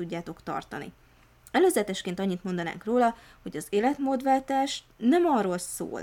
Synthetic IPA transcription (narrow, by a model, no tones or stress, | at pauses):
uɟːaːt̪o̞kt̪ɒ̰rt̪ɒnḭ | ɛløːzɛt̪ɛʃkeːnt̪ɒɲːit̪mo̞nd̪ɒna̰ːŋkroːlɒ | ho̞ɟɒzeːlɛt̪moːd̪ʋɛlt̪aːʃ | nɛmɒrːolso̰ːl